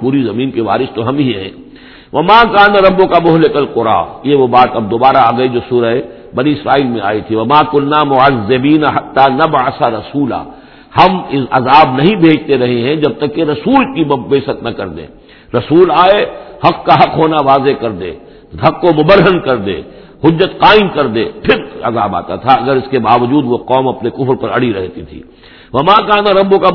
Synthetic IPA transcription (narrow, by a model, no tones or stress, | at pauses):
puːɾizɐmĩːnkeʋa̰ːɾɪst̪oɦɐmɦiɦɛ̰̃ː | ʋɐmaːkaːnaɾɐbːokamʊɦlɪkɐlqʊɾa̰ːjeʋobaːt̪ɐb̚d̪oːbaːɾaːɡɐid͡ʒoːsuːɾəe | bɐniɪsɾaːiːlmẽa̰ːit̪ʰiʋɐmaːkʊnːaːmʊazːɪbiːnaħɐt̪ːaːnɐbʕɐsaɾɐsuːla̰ː | hɐmɪɐzaːbnɐɦĩbʱeːd͡ʒt̪eɾɐɦeɦɛ̃d͡ʒɐb̚t̪ɐkːeɾɐsuːlkibeːʃət̪nɐkɐɾd̪ḛ̃ː | ɾɐsuːlaːehɐqːaɦɐqɦoːnaʋaːzekɐɾd̪ḛ̃ː | b̪ʱɐqːomʊbəɾɦənkɐɾd̪ḛ̃ː | hʊd͡ʒːət̪qaːɪmkɐɾd̪ḛːpʰɪɾɐ̰zaːba̰ːt̪a̰t̪ʰaɐɡəɾɪskebaːʋəd͡ʒuːd̪ʋoqɔːmɐpnekʊfɾpɐɾɐɽiɾɛɦt̪it̪ʰḭː | ʋɐmaːkaːnaɾɐbːʊka